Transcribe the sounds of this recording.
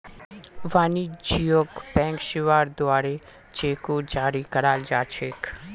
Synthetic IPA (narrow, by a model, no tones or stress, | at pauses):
ʋaːnid͡ʒijoːkbɛ̃ːŋkʃɪʋaːɾd̪ʊaːɾe | d͡ʒeːkod͡ʒaːɾikəɾaːld͡ʒaːt͡ʃʰeːk